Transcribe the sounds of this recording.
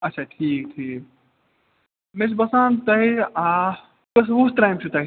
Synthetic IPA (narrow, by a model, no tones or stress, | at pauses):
ɐtːt͡ʃʰaʈʰiːk̚ʈʰiːk | mesbɐsaːnt̪ɐɦia | kɐs̬ʋuːsʈɾajmt͡ʃʰut̪ɐɦ